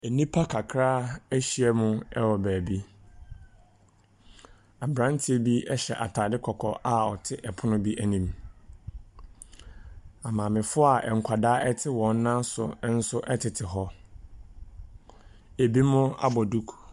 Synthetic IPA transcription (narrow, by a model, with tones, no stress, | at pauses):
e˨nĩ˦pʰa˦kʰa˨kʰɾaː˦æ˦ɕi˦ɛ˦mʊ̃˦ɛ˦wɔ˨bæː˨bi˦ | a˨bɾã˦n˦tʰi˦e˨bi˦ɛ˦ɕɛ̰˨ʔa˨tʰaː˨dɪ˦kʰɔ˨kʰɔ̰˨ʔa˨ɔ˨tʰɪ˦ʔɛ˨pʰʊ˦nʊ̃˦bi˦ʔæ˨nĩ˨m | a˨mã˨mɪ̃˨fʊ˦a˨ɛ˨ŋ̩˨kʷʰa˨daː˦ʔɛ˦tʰɪ˦wɔ̃˨n˦nã˦nsʊ̰˨˦n̩˦sʊ˦ʔɛ˦tʰɪ˨tʰɪ˨ɦɔ˦ | e˨bi˦mʊ̃˦a̰˦˨bɔ˨du˦kʰ